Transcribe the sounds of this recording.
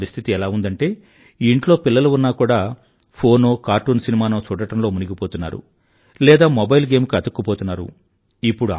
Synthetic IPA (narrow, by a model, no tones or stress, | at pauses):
ɾist̪ʰit̪iɛlaːund̪ɐɳʈe̞ː | iɳʈloːpilːɐluunːaːkuːɽaː | pʰo̞ːnoːkaːɾʈuːnsinimaːnoːt͡ʃuːɽɐʈɐmlo̞ːmuniɡipoːt̪unːa̰ːɾṵ | lɛːd̪aːmɔbɐjlɡe̞ːmkiɐd̪ɐkːupo̞ːt̪unːaːɾṵ | ipːuɽua